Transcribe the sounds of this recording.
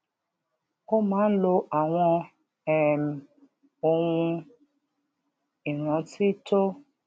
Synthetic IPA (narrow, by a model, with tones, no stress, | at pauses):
o˦mãː˨˦n̩˦lo˧ʔa˨w̃ɔ̃˧ | ɛ˨m˨ | o˧wũ˧ | i˨ɾ̃ɔ̃˨˦ti˦to˦